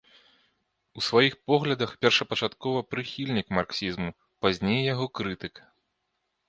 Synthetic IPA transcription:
usvajixpɔɣlʲɐd̪ɐxpʲɛrʂɐpɐt͡ʂat̪kɔvɐpɾɨxʲilʲnʲikmarksʲizmu | pazʲnʲejːaɣɔkɾɨt̪ɨkɐ

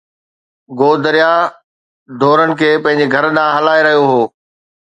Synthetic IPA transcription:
ɡoːd̪əɾija | d̪ʱoːɾənɪ̆kʰeːpɐ̃ɦɪ̃ɲ̆d͡ʑeɡʱɐɾɗaɦɐlaːeɾɐɦijoɦoː

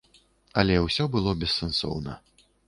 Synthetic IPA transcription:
ɐlʲɛwsʲɔbɨlˠɔbʲɛsːɛnsɔ̰wnɐ̰

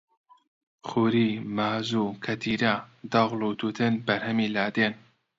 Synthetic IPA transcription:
χuːɾiːmaːzuːkʰɐt̪ʰiːɾad̪ɑɣlut̪ʰuːt̪ʰɨnbɐɾhɐmiːlaːd̪eːn

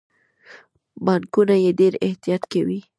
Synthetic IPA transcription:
bɑŋkunajeɖeɾɪht̪ijɑt̪kawi

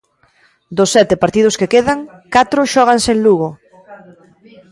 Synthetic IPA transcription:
d̪osːɛt̪epaɾt̪ið̞ʊskekeðaŋ | kat̪ɾʊʃɔɣ̞ansenluɣo

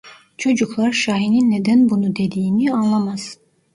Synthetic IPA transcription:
t͡ʃʰo̞d͡ʒuklˠaɾʃaːɦininːed̪ænbunud̪e̞d̪iːnianlˠamaz̥

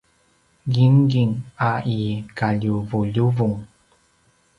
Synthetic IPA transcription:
ɡiŋɡiŋaikaʎuvuʎuvuŋ

